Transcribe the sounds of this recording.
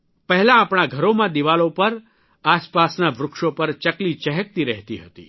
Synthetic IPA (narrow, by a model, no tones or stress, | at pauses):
pəɦɛlãːpɽ̃aɡʱəɾomãd̪iʋalopəɾ | aspasnaʋɾʊkʃopəɾt͡ʃəklit͡ʃəɦək̚t̪iɾɛɦt̪iɦət̪ḭ